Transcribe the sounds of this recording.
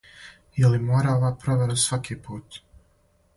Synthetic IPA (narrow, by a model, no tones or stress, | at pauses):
jelimoːɾao̞ʋaːpɾoʋeɾasʋakipuːt̪